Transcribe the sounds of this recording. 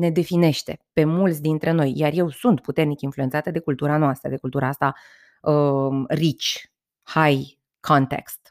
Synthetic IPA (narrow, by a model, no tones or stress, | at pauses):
ne̞d̪e̞fine̞ʃt̪e̞̰pe̞mult̪sʲd̪int̪ɾʔe̞no̞jjarje̞wsunt̪put̪e̞rnikinflue̞nt̪at̪ed̪e̞kult̪uɾanoast̪ɾə̰d̪e̞kult̪uɾaast̪a | ərit͡ʃʲ | haj | kʰont̪e̞̰kst̪